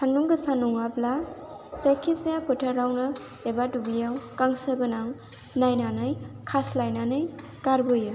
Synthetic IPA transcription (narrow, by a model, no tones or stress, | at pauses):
tʰaŋnuŋɡɯsanuŋapla | sajkʰisijapʰɯtʰaɾawnɯ | ebatublijawkaŋsɯɡɯnaŋ | najnanɯjkʰaslajnanɯj | kaɾbɯjɯ